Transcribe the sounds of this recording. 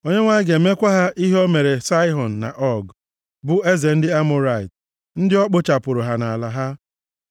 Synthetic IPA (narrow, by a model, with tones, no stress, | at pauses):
o˦ɲe˦ŋʷa˦ɪ˦ɡe˨me˦kʷa˦ɦa˦ʔi˦ɦo˦me˨ɾe˨sa˦ɪ˦ɦɔ˨n̩ː˨a̰˨ʔɔ˦ɡ | bʊ˨e˦ze˨n̩˦dɪ˦a˦mʊ˦ɾa˨ɪ˨t | n̩˦dɪ˦ɔ˦k͡pʊ˦t͡ʃa˨pʊ˨ɾʊ˨ɦa˨na˨a˨la˨ɦa˦